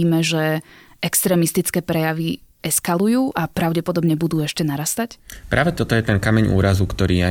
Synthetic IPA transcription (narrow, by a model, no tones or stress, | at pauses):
iːmɛʒɛɛkst̪ɾɛːmist̪it͡skɛːpɾɛjaʋi | ɛskalujuːʔapɾaʊɟɛpɔd̪ɔbɲɛbud̪uːɛʃcɛnaɾast̪acpɾʔaːʋɛt̪ɔt̪ɔjɛt̪ɛnkamɛɲʔṵːɾazukt̪ɔɾiːa